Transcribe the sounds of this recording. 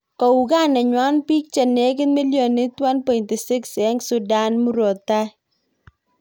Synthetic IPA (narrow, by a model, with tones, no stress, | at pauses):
kɔ˨u˨ka˦˨nɛ˨ɲwa˦npi˦k̚t͡ʃɛ˨ne˦k̬ɪ˦nmi˦ljɔ˨nɪ˦twa˦npɔ˨jnti˨sɪ˦ksɛ˦ŋsu˨da˦nmu˦ɾɔ˨ta˦